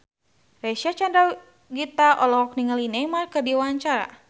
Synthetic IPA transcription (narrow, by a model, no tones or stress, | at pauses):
reʃat͡ʃandɾa | ɡit̪aʔɔlɔɔk̚niŋalinɛmarkərdiwaɲt͡ʃaɾa̰